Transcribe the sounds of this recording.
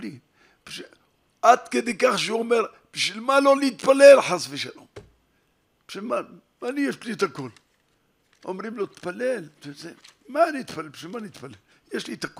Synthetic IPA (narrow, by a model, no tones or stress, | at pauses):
li | b̥ʃ | ʔat̪ked̪ekaχʃeomeɾ | b̥əʃilmalolit̪palelħasfiʃalom | b̥ʃilma | malijeʃlit̪akol | ʔomɾimlot̪palːelt̪zemanit̪palebʃilmanit̪palel | jeʃlit̪ako